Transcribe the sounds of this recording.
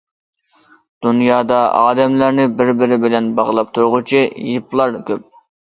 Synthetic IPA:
d̪̥unjɑːd̪ɑɑ̰ːd̪ɛmlæɾnɪbɪɾbɪɾɪbɪlɛnbɑʁlˠɑp̚t̪ʰuɾʁʊt͡ʃʰijiplˠɑɾkʲʰøp̚

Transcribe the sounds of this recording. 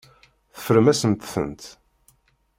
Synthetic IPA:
θə̥fəɾəmæsənt̪θə̰nt̪

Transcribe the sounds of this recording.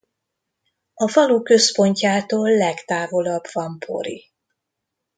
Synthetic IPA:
ɒfɒlukø̞spo̞ɲcaːt̪oːlːɛkt̪aːvo̞lɒbvɒmpʰo̞̰ɾḭ

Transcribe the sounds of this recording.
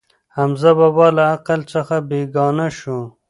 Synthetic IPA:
hamzababɑlaːqalt͡sɐxabeːɡɑːnaʃu

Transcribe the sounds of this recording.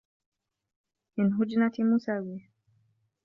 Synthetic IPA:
ʔɪnɦʊd͡ʒnat̪imusawi

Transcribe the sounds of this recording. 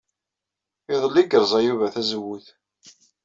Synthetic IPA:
ɪðˤəlːiɡəɾˤzˤæjuvæθæzwːuθ

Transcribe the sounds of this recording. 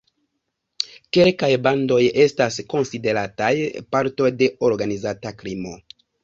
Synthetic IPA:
ke̞lkajbando̞je̞stasko̞nside̞ɾatajpaɾto̞jde̞o̞ɾɡanizatakɾimo̞

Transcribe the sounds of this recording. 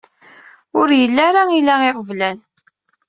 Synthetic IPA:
ʊɾjəlːæɾailæeʁəvlæn

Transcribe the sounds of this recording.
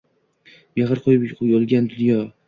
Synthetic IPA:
meʁɨɾqʰojbojɒlˠɡʲand̪ʊnjɒ

